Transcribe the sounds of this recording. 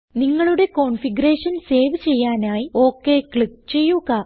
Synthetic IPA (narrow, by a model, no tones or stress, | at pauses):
niŋːɐɭuɽe̞ko̞ːɳfiɡɐɾe̞ːʂɐnse̞ːʋt͡ɕe̞jːaːnaːjio̞ːkːe̞ːkɭik̚t͡ɕe̞jːuɣɐ